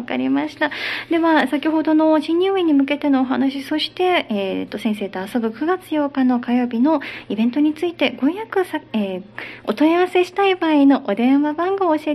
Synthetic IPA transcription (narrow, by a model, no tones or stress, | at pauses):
ka̰ɾʲḭmaɕi̥t̪ad̪e̞βasakʲiɦo̞d̪o̞no̞ʑĩɲʲːɯːiɲ̟imɯ̟k̬e̞t̪e̞no̞ːɦa̰naɕiso̞ɕi̥t̪e̞t̪ːo̞sẽɰ̃se̞ːt̪oaso̞bɯ̟kɯ̟ɡat͡sɨ̥jo̞ːkano̞kajo̞ːbʲino̞ibẽ̞nt̪o̞ɲ̟it͡sɨit̪e̞ɡo̞jakɯ̟saeot̪o̞iaβase̞ɕi̥t̪aibaːino̞ʔod̪ẽ̞ɰ̃βabãŋɡo̞ːɕie